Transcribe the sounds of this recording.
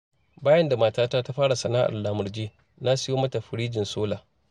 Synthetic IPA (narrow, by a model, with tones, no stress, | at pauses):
baː˦jɐ˦nda˨maː˨taː˦taː˦ta˦ɸaː˦ɽa˨sɐ˨naː˦ʔa̰˨lːaː˨mʊ˨rd͡ʒeː˦ | na˦sɪ˦joː˦mɐ˦ta˨ɸɪ˨ɽiː˦d͡ʒɪ˨nsoː˦laː˨